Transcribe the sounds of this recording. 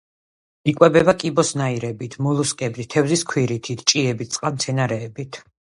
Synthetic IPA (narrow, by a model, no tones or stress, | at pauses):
ikʼwɛbɛbakʼibɔsnaiɾɛbit̪ʰmulˠuskʼɛbit̪ʰːɛvziskʰwiɾit̪ʰit̪ʰt͡ʃʼiɛbit̪̚ʰtsʼqʼamt̪sʰɛnaɾɛːbit̪ʰ